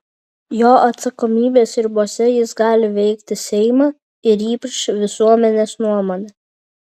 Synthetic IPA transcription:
joːʔɐt̪sɐkɔmʲiːbʲeːsɪɾbuɔsʲɛjɪsɡɑːlʲɪʋʲɛɪkt̪ʲɪsʲɛɪmɑː | ɪɾiːpɾʃʋʲɪsuɔmʲɛnʲeːsnuɔmoːnʲɛ

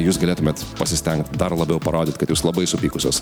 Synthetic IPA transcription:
juːsɡɐlʲeːt̪ʊmʲeːt̪pɐsʲɪsʲt̪ʲɛŋkt̪d̪ɐrlˠɐbʲɛʊpɐɾoːd̪ʲɪt̪ʲkɐt̪juːslˠɐbɐɪsʊpʲiːkʊsʲoːs

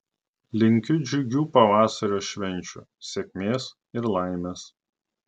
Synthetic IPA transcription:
lʲɪŋʲkʲʊd͡ʒʲʊɡʲuːpɐʋɑːsɐɾʲoːʃʲʋʲɛnʲˑt͡ʃʲʊ̰sʲekʲmʲeːs | ɪɾlˠɑˑɪmʲeːs

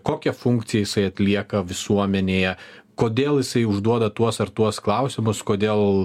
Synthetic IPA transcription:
koːkʲɛfʊŋkt̪sʲɪjɛjɪsɐɪɐt̪ʲlʲiɛkɐʋʲɪsuɔmʲɛnʲeːjɛkoːd̪ʲeːlˠjɪsɐɪʊʒd̪uɔd̪ɐt̪uɔsɐɾt̪uɔsklˠɐʊsʲɪmʊskoːd̪ʲeːlˠ

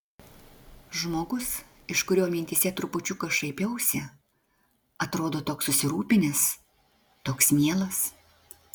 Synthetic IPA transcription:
ʒmoːɡʊs | ɪʃkʊɾʲoːmʲɪnʲt̪ʲisʲɛt̪ɾʊpʊt͡ʃʲʊkɐʃɐɪpʲɛʊsʲɛ | ɐt̪ɾoːd̪oːt̪oːksʊsʲɪɾuːpʲɪnʲɪs | t̪oːksmʲiɛlˠɐs

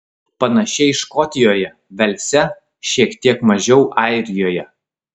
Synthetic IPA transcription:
pɐnɐʃʲɛɪʃkɔt̪ʲɪjoːjɛ | ʋʲɛlʲsʲɛ | ʃʲiɛkt̪ʲiɛkmɐʒʲɛʊʔɑˑɪɾʲɪjoːjɛ

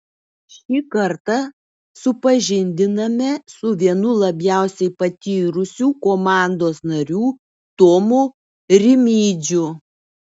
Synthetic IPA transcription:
ʃʲiːkɐɾt̪ɐ | sʊpɐʒʲɪnʲd̪ʲɪnɐmʲɛsʊʋʲiɛnʊlˠɐbʲjæˑʊsʲɛɪpɐt̪ʲiːɾʊsʲuːkoːmɑˑnd̪oːsnɐɾʲuː | t̪ɔmu | ɾʲɪmʲiːd͡ʒʲʊ

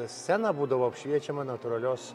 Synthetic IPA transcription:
sʲsʲɛnɐbuːd̪ɐʋoːɐpʲʃʲʋʲiɛt͡ʃʲɛmɐnɐt̪ʊɾɐlʲoːs

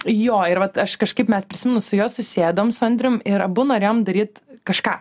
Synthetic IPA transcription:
joːɪɾʋɐt̪ɐʃkɐʃkɐɪpmʲɛspʲɾʲɪsʲɪmʲɛnʊsʊjoːsʊsʲeːd̪ooːmsʊɐnʲd̪ʲɾʲʊmɪɾɐbʊnoːɾʲeːjoːmd̪ɐɾʲiːt̪kɐʃkɑː

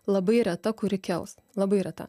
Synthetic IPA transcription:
lˠɐbɐɪɾʲɛt̪ɐkʊɾʲɪkʲɛʊs | lˠɐbɐɪɾʲɛt̪ɐ̰

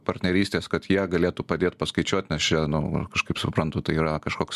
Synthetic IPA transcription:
pɐɾʲtʲnʲɛɾʲiːsʲt̪ʲeːskɐt̪jiɛɡɐlʲeːt̪uːpɐd̪ʲeːt̪pɐskɐɪt͡ʃʲuɔt̪ʲnʲɛst͡ʃʲɛnʊkɐʃkɐɪpsʊpɾɐnt̪ʊt̪ɐɪiːɾɐkɐʃkoːks

